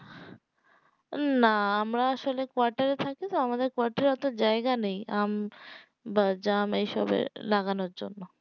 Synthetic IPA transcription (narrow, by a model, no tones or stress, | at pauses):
naamɾaaʃolekoaɾʈaɾet̪ʰaket̪oamad̪eɾkoaɾʈaɾɛt̪od͡ʑaeɡanejam | bad͡ʑamejʃɔ̰bḛlaɡanoɾd͡ʑo̰nːo